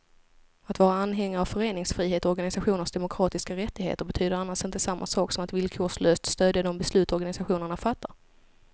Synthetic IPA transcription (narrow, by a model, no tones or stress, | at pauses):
at̪vɑːɾaanːɦɛŋːaɾavfœɾeːnɪŋsfɾiːɦeːt̪ɔɔɾɡanɪsaɧuːnəɾʂd̪ɛmʊkʰɾɑːt̪ɪskaɾɛt̪ːɪɡhḛːt̪əɾbɛt̪ʰyːd̪əɾanːaʂɪnt̪əsamːʔa̰sɑːksɔmat̪vɪlkʰoːʂløːst̪st̪øːd̪jəd̪ɔmbɛslʉ̟ːt̪ɔɾɡanɪsaɧuːnəɳafat̪ːaɾ